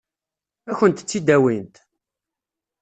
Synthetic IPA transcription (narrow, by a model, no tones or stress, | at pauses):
æçənt̪t͡sːid̪æwint̪